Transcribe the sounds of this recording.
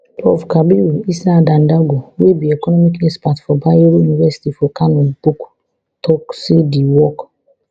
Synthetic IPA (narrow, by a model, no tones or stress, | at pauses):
ɔfkabiuisadãndaɡowebiɛkɔnɔmikɛspatfɔbaoɾojunivɛsi̥tifɔkanɔ̃nbuk | tʰɔksediwɔk